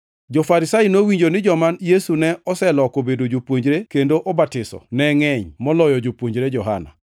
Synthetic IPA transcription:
d͡ʒɔfaɾɪsajinowiɲd͡ʒonɪd͡ʒɔmanjesunɛʔɔsɛlɔkobedod͡ʒopwoɲd͡ʒɾekendoʔobatɪsɔ̰nɛŋɛɲmɔlɔjɔd͡ʒopwoɲd͡ʒɾed͡ʒɔɦa̰na̰

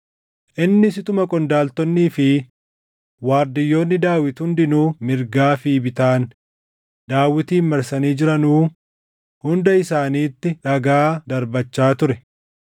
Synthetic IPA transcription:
ʔɪnːɪsɪt̪ʊmɐkʼɔnd̪aːlt̪ɔnːiːfɪ | waːɾd̪ɪjːo̞ːnːɪd̪aːwɪt̪hʊnd̪ɪnuːmɪɾɡaːfiːbɪt̪aːn | d̪aːwɪt̪iːnmɐɾsɐniːd͡ʒɪɾɐnuː | hʊnd̪ɐɪsaːniːt̪ːɪᶑɐɡaːd̪ɐɾbɐt͡ʃːaːt̪ʊɾɛ

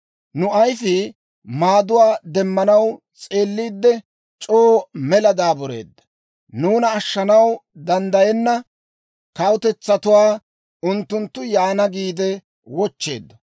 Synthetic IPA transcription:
nʊɐjfɪ | maːd̪ʊwaːd̪ɛmːɐnɐw | t͡sʼe̞ːlːiːd̪ːɛ | t͡ʃʼoːmɛlɐd̪aːbɔɾe̞̰ːd̪ːɐ | nuːnɐːʃːɐnɐwd̪ɐnd̪ɐjɛnːɐ | kɐwʊt̪ɛt͡sːɐt̪ʊwaː | ʊnt̪ːʊnt̪ːʊjaːnɐɡiːd̪ɛ | wɔt͡ʃːe̞̰ːd̪ːɐ

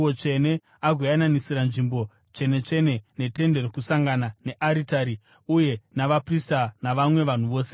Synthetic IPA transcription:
ot͡ʃe̞ne̞ | aɡʱwejananisiɾanʐimbo̞ | t͡ʃe̞ne̞t͡ʂe̞ne̞ne̞te̞nde̞rokusaŋɡanane̞ʔaɾitaɾi | uje̞naʋapristanaʋamwe̞ʋan̤uʋo̞ːse̞

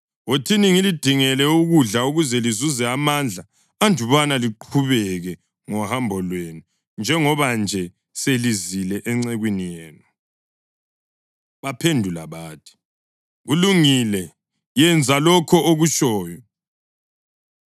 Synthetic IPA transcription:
wotʰiniŋilid̥ʱiŋɛlɛuɣuɮauɣuzɛlizuzɛamand͡ɮʱa | andʱuβanaliǃʰuβɛɣɛ | ŋɔhambʱɔlwenu | nd͡ʒʱɛŋɔβand͡ʒʱɛ | selizilɛʔɛŋ͡ǀɛɣwinijɛːna | βapʰendʱula̰βaːtʰi̥ | ɣuluŋilɛ | jɛnd͡zʱalɔkʰɔoɣuʃɔːjɔ

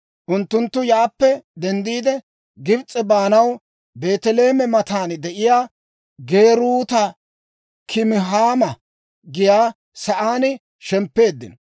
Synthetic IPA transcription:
ʔʊnt̪ːʊnt̪ːʊjaːpːɛd̪ɛnd̪iːd̪ɛ | ɡɪbt͡sʼːɛbaːnɐw | be̞ːt̪ɛle̞ːmɛmɐt̪aːnd̪ɛʔɪjaː | ɡe̞ːɾuːt̪ɐ | kʰɪmɪɦaːmɐ | ɡɪjaː | sɐʔaːnɪ | ʃɛmpːe̞ːd̪ːɪ̰n

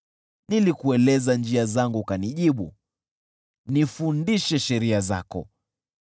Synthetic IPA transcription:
nilikuɛlɛzand͡ʒiazaŋɡukaniʄiɓṵ | nifundiʃɛʃɛɾiaza̰kɔ̰

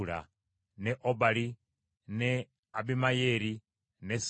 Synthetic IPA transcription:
ɺa̰ | nɛʔɔbaɺi | nɛ | abimajɛɾi | nɛs

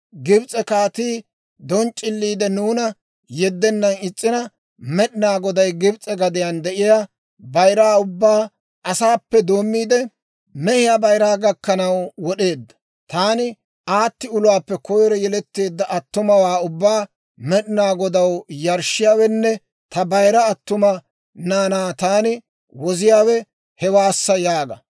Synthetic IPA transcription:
ɡɪbt͡sʼɛkaːt̪iː | d̪ɔnt͡ʃʼːɪlːiːd̪ɛnuːnɐ | jɛd̪ːɛnːɐnɪt͡sʼːɪnɐ | mɛɗɪnaːɡɔd̪ɐjɡɪbt͡sʼɛɡɐd̪ɪjɐnd̪ɛʔɪja | bɐjɾaːʊbːaː | ʔɐsaːpːɛd̪oːmːiːd̪ɛ | mɛhɪjabɐjɾaːɡɐkːɐnɐwwɔɗe̞ːd̪ːɐ̥ | t̪aːnɪ | aːt̪ːɪʊlʊwaːpːɛkɔjɾɛjɛlɛt̪ːe̞ːd̪ːɐʔɐt̪ːʊmɐwaːʊbːaː | mɛɗɪnaːɡɔd̪ɐwjɐɾʃɪjaːwɛnːɛ | t̪ɐbɐjɾɐːt̪ːʊmɐ | naːnaːt̪aːnɪ | wɔzɪjaːwɛ | hɛwaːsːɐjaːɡɐ

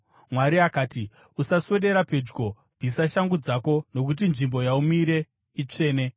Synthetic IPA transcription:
mwaɾiakaːti | usaswe̞ɗe̞ɾape̞d͡ʒɡo̞ | b͡visaʃaŋɡud͡zako̞no̞kut̬inʐimbo̞jaumiɾe̞ | it͡ʂe̞ːne̞

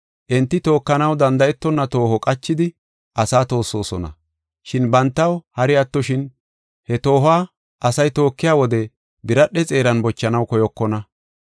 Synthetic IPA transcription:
ʔɛnt̪ːɪt̪o̞ːkːɐnɐwd̪ɐnd̪ɐʔɛt̪ːɔnːɐt̪o̞ːhɔkʼɐt͡ʃːɪd̪ɪ | ʔɐsaːt̪o̞ːsːo̞ːsɔnɐ̰ | ʃɪnbɐnt̪ːɐwhɐɾɪat̪ːɔʃɪn | hɛt̪o̞ːhaː | ʔɐsɐjt̪o̞ːkːɪjaːwɔd̪ɛ | bɪɾɐɗɛt͡sʼe̞ːɾɐnbɔt͡ʃːɐnɐwkɔjɔkːɔnɐ

